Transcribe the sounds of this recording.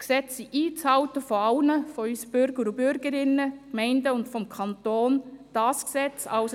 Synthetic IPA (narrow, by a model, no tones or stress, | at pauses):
ksɛt͡siʔiːt͡shɑʊtəfɔɑʊnəfɔysəb̥ʏɾɡ̥əɾubʏɾɡ̥əɾɪnːəkmɛɪndəʊntfɔmkʰɑntoːnd̥ɑːsksɛt͡sɑls